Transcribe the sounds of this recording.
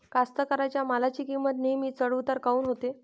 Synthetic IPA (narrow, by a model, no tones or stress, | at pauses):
kast̪əkəɾat͡ɕjamalat͡ɕiːkimət̪nemiːt͡səɽuʋt̪aɾkauːnɦot̪e